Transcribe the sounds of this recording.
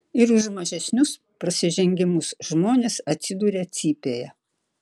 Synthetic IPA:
ɪɾʊʃmɐʒʲɛsʲnʲʊs | pɾɐsʲɪʒʲɛŋʲɡʲɪmʊsʒmoːnʲeːsɐt̪ʲsʲɪd̪uːɾʲeːt̪sʲiːpʲeːjɛ

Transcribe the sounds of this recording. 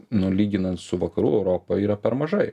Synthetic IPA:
nʊlʲiːɡʲɪnɐnt̪sʊʋɐkɐɾuːɛʊɾoːpoiːɾɐpʲɛɾmɐʒɐɪ

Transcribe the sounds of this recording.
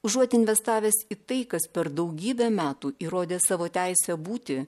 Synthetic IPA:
ʊʒuɔt̪ʲɪnʲʋʲɛst̪ɑːʋʲeːsit̪ɐɪkɐspʲɛɾd̪ɐʊɡʲiːbʲɛmʲæːt̪uːʔiːɾoːd̪ʲeːsɑːʋoːt̪ʲæɪsʲɛbuːt̪ʲɪ

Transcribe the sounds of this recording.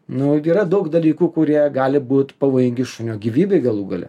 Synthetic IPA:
nʊiːɾɐd̪ɐʊkd̪ɐlʲiːkuːkʊɾʲiɛɡɑːlʲɪbuːt̪pɐʋoːjɪŋʲɡʲɪʃʊnʲoːɡʲiːʋʲiːbʲɛɪɡɐlˠuːɡɐlʲɛ̰

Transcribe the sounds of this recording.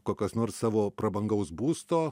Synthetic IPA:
koːkʲosnoːɾssɑːʋoːpɾɐbɐŋɡɐʊsbuːst̪oː

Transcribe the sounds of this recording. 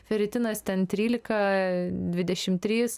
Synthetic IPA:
fʲɛɾʲɪt̪ʲɪnɐst̪ʲɛnt̪ʲɾʲiːlʲɪkɐd̪ʲʋʲɪd̪ʲɛʃʲɪmt̪ʲɾʲiːs

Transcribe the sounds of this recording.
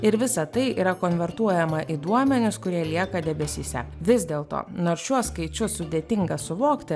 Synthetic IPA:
ɪɾʋʲɪsɐt̪ɐɪʔḭːɾɐkoːnʲʋʲɛɾt̪uɔjɛmɐʔid̪uɔmʲɛnʲʊskʊɾʲiɛlʲiɛkɐd̪ʲɛbʲɛsʲiːsʲɛ̰ʋʲɪzʲd̪ʲeːlˠt̪o̰ːnoːɾsʃʲuɔskɐɪt͡ʃʲʊsʊd̪ʲeːt̪ʲɪŋɡɐsʊʋoːkt̪ʲɪ

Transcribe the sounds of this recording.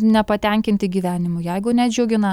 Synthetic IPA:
nʲɛpɐt̪ʲɛˑŋʲkʲɪnʲt̪ʲɪɡʲiːʋʲæːnʲɪmʊjɛɪɡʊnʲɛd͡ʒʲuːɡʲɪnɐ

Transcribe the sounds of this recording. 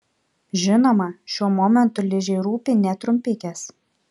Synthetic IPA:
ʒʲɪnoːmɐʃʲuɔmɔmʲɛnt̪ʊlʲɪʒʲɛɪɾuːpʲiːnʲɛt̪ɾʊmʲpʲɪk̪ʲɛs

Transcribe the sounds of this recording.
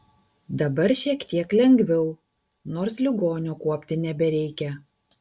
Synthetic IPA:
d̪ɐbɐɾʃʲiɛkt̪ʲiɛklʲɛŋʲɡʋʲɛʊ | noːɾslʲɪɡoːnʲoːkuɔpʲt̪ʲɪnʲɛbʲɛɾʲɛɪkʲɛ

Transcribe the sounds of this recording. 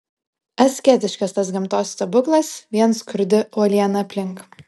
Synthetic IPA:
ɛsʲkʲɛt̪ʲɪʃʲkʲɐst̪ɐsɡʲɪmt̪oːst̪ɐbʊklˠɐsʋʲiɛnskʊɾʲd̪ʲɪoːlʲiɛnɐɐpʲlʲɪŋk

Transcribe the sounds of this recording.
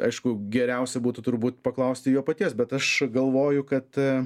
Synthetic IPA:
ɐ̰ɪʃkʊɡʲɛɾʲɛʊsʲɛbuːt̪ʊt̪ʊɾbuːt̪pɐklˠɐʊsʲt̪ʲɪjuːpɐt̪ʲiɛsbʲɛt̪ɐʃɡɐlˠʋoːjʊkɐt̪

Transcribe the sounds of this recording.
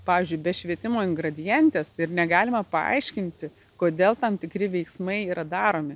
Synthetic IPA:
pɑːʋʲiːzʲd͡ʒʲʊɪbʲɛʃʲʋʲiɛt̪ʲɪmoːɪŋɡɾɐd̪ʲɪjɛnʲt̪ʲeːsɪrnʲɛɡɑːlʲɪmɐpɐ̰ɐ̰ɪʃʲkʲɪnʲt̪ʲɪ | koːd̪ʲeːlˠt̪ɐmt̪ʲɪkɾʲɪʋʲɛɪksmɐɪiːɾɐd̪ɑːɾoːmʲɪ

